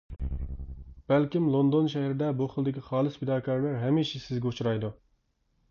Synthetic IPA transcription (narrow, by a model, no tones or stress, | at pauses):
b̥ɛlkʲimlˠond̪onʃɛhɾɪd̪ɛbuχəlˠd̪ɪkʲiχɑːlˠɨspʰɪd̪ɑːkʰɑɾlæɾɦɛmiʃisɪzɡʲɛut͡ʃʰɾɑjd̪u